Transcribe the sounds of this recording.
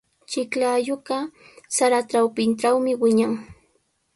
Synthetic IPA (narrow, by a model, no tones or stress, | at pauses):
t͡ʃɪklajoɢɑ | saɾaʈ͡ʂawpɪnʈ͡ʂawmɪwɪɲaŋ